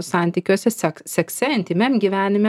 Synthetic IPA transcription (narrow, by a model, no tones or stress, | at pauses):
sɑˑnʲt̪ʲiːkʲuɔsʲɛsɛksʲɛksʲɛɪnʲt̪ʲɪmʲɛmɡʲiːʋʲæːnʲɪmʲɛ